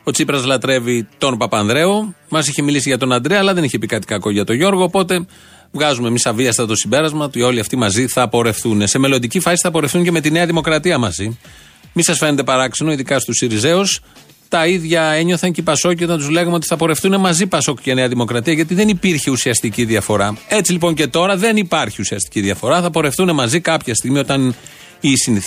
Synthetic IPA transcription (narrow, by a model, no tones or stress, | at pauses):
ot͡sipɾɐzlɐt̪ɾe̞vit̪o̞npɐpɐnðɾe̞o̞mɐsiçemilisiʝɐt̪o̞nɐnd̪ɾeɐːlɐðe̞niçe̞pikɐt̪i̥kɐko̞ʝɐt̪o̞ʝo̞ɾɣo̞ːpo̞t̪e̞ | vɣɐzumemisɐviɐst̪ɐt̪o̞simbe̞ɾɐzmɐt̪uo̞liɐft̪imɐziθɐpo̞ɾe̞fθune̞se̞me̞lo̞nd̪icifɐsi̥θɐpo̞ɾe̞fθuɲce̞me̞t̪ineɐðimo̞kɾɐt̪iɐmɐzi | misɐsfe̞nend̪e̞pɐɾɐkseno̞iðikɐst̪usiɾize̞us | t̪ɐiðʝɐe̞ɲo̞θɐɲcipɐso̞cit̪ɐnt̪uzle̞ɣɐmeot̪i̥θɐpo̞ɾe̞fθune̞mɐzipɐso̞kcɐneɐðimo̞kɾɐt̪iɐʝɐt̪iðe̞nipiɾçeusiɐst̪iciðiɐfo̞ɾɐet͡silipo̞ɲce̞t̪o̞ɾɐðe̞nipɐɾçiusiɐst̪i̥ciðiɐfo̞ɾɐθɐpo̞ɾe̞fθune̞mɐzikɐpçɐst̪iɣmio̞t̪ɐn | isin